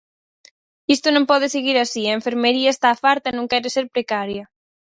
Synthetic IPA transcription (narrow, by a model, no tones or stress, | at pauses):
ist̪onõmpɔð̞eseɣiɾasiɐeɱfeɾmeɾiɐest̪aːfaɾt̪ɐenõŋkɛɾeseɾpɾekaɾjɐ